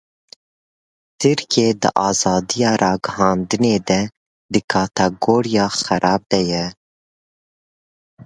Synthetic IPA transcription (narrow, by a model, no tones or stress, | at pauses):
t̪ʰɨɾkʰeːd̪ɨ̰ʔɑːzɑːd̪ijɑːɾʔɑːɡəhɑːnd̪ɨneːd̪ɛ | d̪ɨkʰɑːt̪ɛɡoːɾijɑːxæɾʔɑːb̚d̪ɛjɛ